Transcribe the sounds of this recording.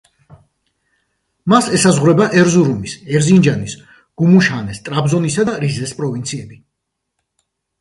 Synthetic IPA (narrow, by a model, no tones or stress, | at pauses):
masɛsazʁwɾɛbaʔɛɾzuɾumisɛɾzind͡ʒanis | ɡ̥umuʃanɛst̪ʼɾabzɔnisad̪aɾizɛspʼɾɔvint̪sʰiɛbi